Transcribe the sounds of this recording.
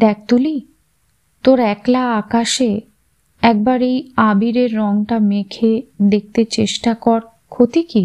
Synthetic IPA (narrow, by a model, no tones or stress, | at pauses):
d̪ɛk̚ʰt̪uli | t̪oɾɛklaakaʃe | ɛk̚baɾejabiɾeɾːɔŋʈamekʰed̪ek̚t̪et͡ɕeʃʈakɔɾ | kʰot̪iki